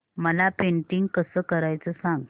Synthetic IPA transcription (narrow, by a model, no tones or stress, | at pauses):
məlapeɳʈiŋɡkəsəːkəɾajt͡səsãŋɡ